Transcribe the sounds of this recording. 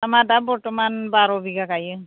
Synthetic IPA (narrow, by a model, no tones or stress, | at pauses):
amatabɔɹtɔmanbaɹɔbiɡakajɯ